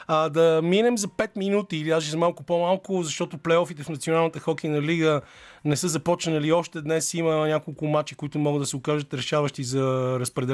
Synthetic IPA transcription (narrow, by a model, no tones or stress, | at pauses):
ad̪ɐminɛmzɐpɛt̪minut̪iːliazʒizɐmalˠkʊpomalˠkʊzɐʃt̪ɔt̪ʊplɛjɔfit̪ɛfnɐt̪sionalˠnət̪əxɔkinɐliɡə | nɛsɤzɐpɔt͡ʃnəliɔʃt̪ɛd̪nɛsimənʲakolˠkʊmat͡ʃikoit̪ʊmɔɡəd̪əsɛokaʒət̪ɾɛʃavəʃt̪izɐɾɐspɾɛd̪ɛ